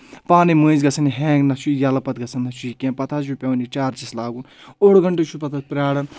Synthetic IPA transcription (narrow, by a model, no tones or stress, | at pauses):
paːnimuizɡɐsʰɐniɦẽːɡnɐt͡ʃʰujɐlɐpɐt̪ɡɐsʰɐnːɐt͡ʃʰuikʲẽːpɐt̪ʰaːupʲɐʋnit͡ʃaːɾt͡ʃislaːɡunoɽɡɐɳʈet͡ʃʰupɐt̪ʰaspɾaːɽɐn